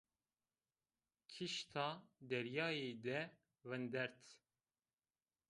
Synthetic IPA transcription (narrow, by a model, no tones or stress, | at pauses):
kʰiʃt̪ʰɑːd̪ɛɾjɑːjeːd̪ɛ | vɛnd̪ɛɾt̪